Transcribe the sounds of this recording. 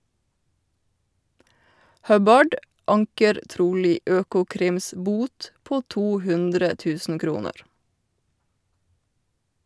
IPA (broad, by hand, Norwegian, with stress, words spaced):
ˈhœbɑɖ ˈɑŋkəɾ ˈtɾuːliː ˈøːkʊˌkɾɪms ˈbuːt ˈpoː ˈtuː ˈhʉndɾə ˈtʉːsn̩ ˈkɾuːnəɾ